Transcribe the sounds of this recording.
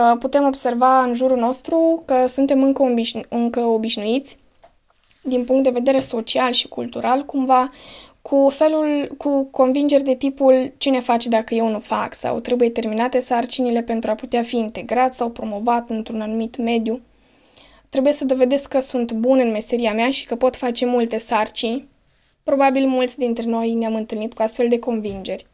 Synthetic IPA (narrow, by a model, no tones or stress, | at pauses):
put̪e̞mo̞bse̞rvaɨnʒuɾuno̞st̪ɾukəsunt̪e̞mɨŋkəbiɨŋkəo̞biʃnuit̪sʲ | d̪inpuŋkt̪̚d̪e̞ve̞d̪e̞ɾe̞so̞t͡ʃialʃi̥kult̪uɾʔalkumvakʰufe̞lulkuko̞nvind͡ʒe̞rʲd̪e̞t̪ipult͡ʃine̞fat͡ʃd̪akəje̞wnufa̰ksa̰wt̪ɾe̞buje̞t̪e̞rminat̪e̞sart͡ʃinile̞pe̞nt̪ɾuaput̪eafiːnt̪e̞ɡɾat̪sʲsawpɾo̞mo̞vat̪ɨnt̪ɾunanumit̪me̞d̪ju | t̪ɾe̞buje̞səd̪o̞ve̞d̪e̞skːəsunt̪bunɨnme̞se̞ɾiameaʃi̥kəpo̞t̪fat͡ʃe̞mult̪e̞sart͡ʃinʲ | pɾo̞babilmult̪sʲd̪int̪ɾe̞no̞jneamɨnt̪ɨlnit̪kuast̪fe̞ld̪e̞ko̞nvind͡ʒe̞rʲ